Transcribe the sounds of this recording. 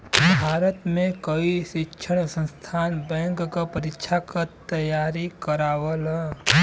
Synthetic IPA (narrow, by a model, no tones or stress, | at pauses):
bʱaːɾət̪mẽkəiʃɪkʃʰəɽ̃sə̃nst̪ʰaːnbɛ̃ːŋkːapəɾɪkʃʰakat̪əjaːɾikəɾaːwəlɛ